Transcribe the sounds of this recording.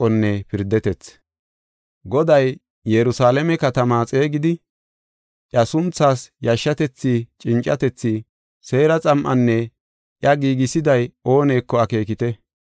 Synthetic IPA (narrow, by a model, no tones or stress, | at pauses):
ɔnːɛpɪɾd̪ɛt̪ɛt͡s | ɡɔd̪ɐj | jɛɾʊsaːlɛmɛkɐt̪ɐmaːt͡sʼe̞ːɡɪd̪ɪ | ʔjɐsʊnt͡sːaːsjɐʃːɐt̪ɛt͡sːit͡ʃʼɪnt͡ʃʼɐt̪ɛt͡sːiː | se̞ːɾɐt͡sʼɐmʔɐnːɛ | ʔjɐɡiːɡɪsɪd̪ɐjo̞ːne̞ːkːɔɐke̞ːkɪt̪ɛ